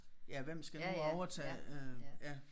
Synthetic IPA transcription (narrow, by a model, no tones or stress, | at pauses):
jæʋem̰sɡ̥ænuɒʊɐt͡sʰɛ̰ːøjæ